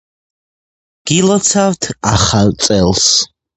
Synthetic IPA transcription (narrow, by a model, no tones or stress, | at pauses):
ɡ̥ilɔt͡sʰavt̪ʰaχart͡sʼɛlˠs